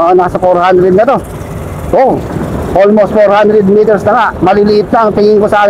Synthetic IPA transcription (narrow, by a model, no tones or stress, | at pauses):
naːsɐfoɾhand̪ɾɛd̪nɐt̪o̞ | ʔoʔolmost̪̚foɾhand̪ɾɛd̪mit̪ɛɾsnɐŋaʔmɐlɪlɪʔɪt̪̚nɐɐŋt̪ɪŋɪŋkosɐʔaːk